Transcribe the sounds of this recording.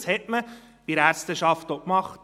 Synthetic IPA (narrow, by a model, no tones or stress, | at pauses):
shɛtmə | b̥iɾæɾstəʃɑftokmɑχt